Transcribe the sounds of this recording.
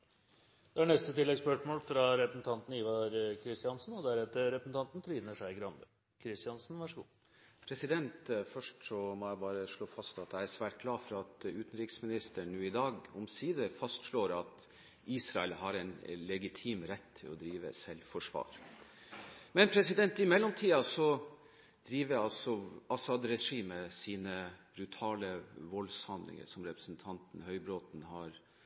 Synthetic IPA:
d̪̥ɛæɳɛst̪ət̪ɪlːɛɡspœʂmoːlfɾɑɾɛpɾəsn̩t̪ʰɑnt̪n̩iːʋɑɾkʰɾɪst̪ɪɑnsn̩ɔd̪æɾɛt̪ːəɾɛpɾəsn̩t̪ɑnt̪nt̪ʰɾiːd̪nəʂæɪɡɾɑnd̪ə | kʰɾɪst̪ɪjɑnsn̩ʋɑʂəɡṵː | pʰɾɛsɪd̪ɛnt̪fœʂʈsɔmɔæbɑːɾəʂɭoːfɑst̪ɑt̪̚d̪æɪæsʋæːʈɡ̥ʰlɑːfɾɑɑt̪ʉːt̪n̩ɾɪksmɪnɪst̪əɳːʉːɪd̪ɑːɡɔmsiːd̪əfɑst̪ʂɭoːɾɑt̪ | iːsɾɑɛlhɑɾɛnlɛɡɪt̪ʰiːmɾɛt̪ʰːɪlɔd̪ɾiːʋə̰sɛlfɔʂʋɑ̰ːɾ | mɛnpʰɾɛsɪd̪ɛnt̪ɪmɛlːɔmt̪ʰiːɑsɔ | d̪̥ɾiːʋəɾɑlsɔʔɑsɑd̪ɾɛʂiːməsiːnəb̥ɾʉt̪ʰɑːləʋɔlshɑnd̪lɪ̰ŋə̰ʂɔmɾɛpɾə̥sn̩t̪ʰɑnt̪n̩hœʏbɾoːt̪n̩hɑɾ

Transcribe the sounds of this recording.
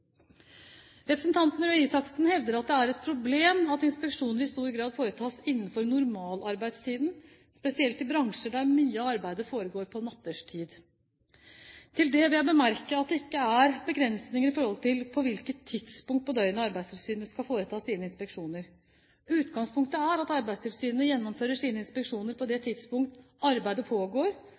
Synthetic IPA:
ɾɛpɾəsn̩t̪ʰɑnt̪n̩ɾœisɑksnhɛʋd̪əɾɑt̪̚d̪ɛæɾɛt̪̚pʰɾʊbleːmɑt̪ɪnspɛkʂuːnəɾɪst̪uːɾɡɾɑːd̪foːɾət̪ʰɑːsɪnːəfɔɾnʊɾmɑːlɑɾbæɪd̪st̪ʰiːd̪n | spɛsɪɛlt̪ɪbɾɑŋʂəɖæɾmyːəɑɑɾbæɪd̪əfoːɾəɡoːɾpʰɔnɑt̪ːəʂtʰiːd̪ | t̪ʰɪld̪ɛʋɪljæɪbəmæɾkəɑt̪̚d̪ɛɪkːəæɾbəɡɾɛnsnɪŋəɾɪfɔɾhɔlt̪ʰɪlpʰɔʋɪlkət̪ʰːɪd̪̥spʊŋkt̪pɔd̪œʏənɑɑɾbæɪd̪st̪ʰɪlsyːnnəskɑlfoːɾət̪ʰɑːsiːnəɪnspɛkʂuːnəɾ | ʉːt̪ɡɑŋspʰʊŋk̚t̪əæɾɑt̪ɑɾbæɪd̪st̪ʰɪlsyːnənəjɛnːɔmføːɾəʂiːnəɪnspɛkʂuːnəɾpʰɔd̪ɛt̪ʰɪd̪̥spʊŋkt̪ | ɑɾbæɪd̪əpʰoːɡoːɾ

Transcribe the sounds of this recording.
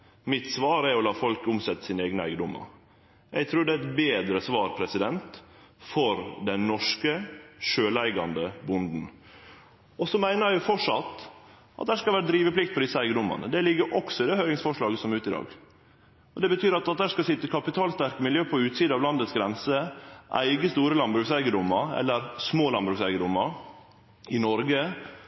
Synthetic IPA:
mɪt̪sʋɑːɾæɾɔlɑːfɔlkʊmsɛt̪ːə̥sɪneːɡnəæɪɡəd̪ʊmːə̰ɾ | jæɪɡt̪ʰɾuːɖ̪ɛæɪt̪beːd̪ɾəsʋɑːɾpʰɾɛsɪd̪ɛnt̪ | fɔɾd̪ɛnːɔʂkəʃøːlæɪɡɑnd̪əbʊnd̪n̩ | ɔsɔmæɪnəɾæʊfɔʂɑt̪ː | ʔɑ̰t̪̚d̪æhæːʂkɑlʋæːɾəd̪ɾiːʋəplɪk̚t̪pʰɔd̪ɪsəæɪɡəd̪ʊmɑ̰nə̰d̪ɛlɪɡːəɾʔɔksɔɪd̪eːhøːɾɪŋsfɔʂɭɑːɡəsɔmʉːt̪ɪd̪ɑ̰ːɡ | ɔd̪ɛbət̪ʰyːɾɑt̪̚d̪ɑt̪d̪æːʂkɑlsɪt̪ːəkʰɑpɪt̪ʰɑːlst̪æɾkəmɪljøːpʰɔʉːt̪siːd̪əɑʋlɑnd̪ət̪sɡɾɛnsəʔæ̰ɪɡəst̪uːɾəlɑnbɾʉksæɪɡəd̪ʊmːəɾɛ̰lːəɾsmoːlɑnbɾʉːksæɪɡəd̪ʊmːəɾ | ɪnɔɾɡə

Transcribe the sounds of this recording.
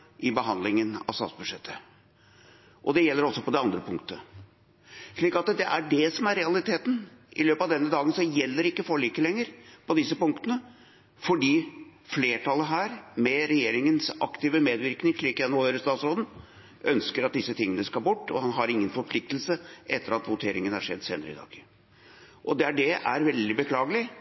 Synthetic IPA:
ʔɪbəɦɑnd̪lɪŋənɑ̰sɑ̰t̪sbʉd̪ʂɛt̪ʰːə | ʔɔd̪ɛjɛlːəɾɔsːɔpɔd̪ɛɑnd̪ɾəpʰʊŋk̚t̪ə | ʂɭiːkɑt̪d̪ɛʔæɖɛsɔmæɾɛɑlɪt̪ʰeːt̪nʔɪløːpɑʋd̪ɛnːəd̪ɑːɡənsɔjɛlːəɾɪkːəfɔɭiːkəlɛŋːəɾpʰɔd̪ɪsːəpʊŋk̚t̪ənə | fɔɖiːfleːʈʰɑləɦæːɾmɛɾɛjeːɾɪŋənsɑ̰kt̪iːʋəmeːd̪ʋɪɾknɪŋʂɭiːkjænʊːhøːɾəst̪ɑːt̪sɾoːd̪n̩ | ʔœnskəɾɑt̪̚d̪ɪsːət̪ʰɪŋːənəskɑlbʊʈːɔ̰hɑnɦɑɾɪŋːənfɔɾpʰlɪk̚t̪l̩səʔɛt̪ʰːəɾɑt̪ʋʊt̪ʰeːɾɪŋənæ̰ʂɛ̰d̪ːsḛːnəɾɪ̰d̪ɑ̰ːɡ̥ | ʔɔd̪ɛæɖɛæɾʋɛld̪ɪbəkʰlɑːɡəlɪ

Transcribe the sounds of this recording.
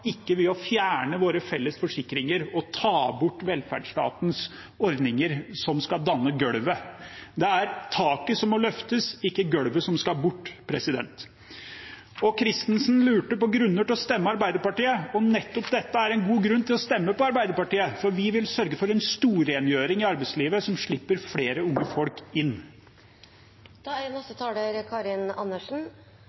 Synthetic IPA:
ɪkːəʋɪlɔfjæːɳəʋoːɾəfɛlːəsfɔʂɪkːɾɪŋəɾɔt̪ʰɑːbʊʈːʋɛlfæ̰ɖʂtʈɑ̰ːt̪ns | ɔɾd̪nɪŋəɾsɔmskɑld̪ɑnːəɡœɽʋəd̪ɛæɾt̪ʰɑːkəsɔmːɔlœft̪əsɪkːəɡœɽʋəsɔmskɑlbʊʈːpʰɾɛsɪd̪ɛ̰nt̪ | ɔkʰɾɪst̪nsnlʉːʈəpɔɡɾʉnːəʈɪlɔst̪ɛmːəɑɾbæɪd̪əɾpɑʈiːəɔnɛt̪ːɔpd̪ɛt̪ːəæɾɛnɡuːɡɾʉnːt̪ʰɪlɔst̪ɛmːəpɔɑɾbæɪd̪əɾpɑʈiːəfɔɾʋɪʋɪlsœɾɡəfɔɾɛnst̪uːɾeːnjøːɾɪŋɪɑɾbæɪsliːʋəsɔmʂɭɪpːəɾfɽeːɾəʊŋːəfɔlkɪnː | nɔsət̪ʰɑːləɾkʰɑɾɪnɑnːəʂn̩

